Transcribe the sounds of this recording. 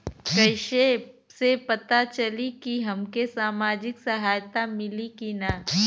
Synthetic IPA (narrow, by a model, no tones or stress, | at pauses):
kɐɪʃesepɐt̪at͡ʃɐlikiɦɐmkesaːmaːd͡ʒɪksɐɦaːjt̪amɪlikina